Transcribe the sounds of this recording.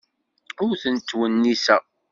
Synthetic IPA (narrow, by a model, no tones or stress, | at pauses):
ʊɾθənt̪ːwənːisæ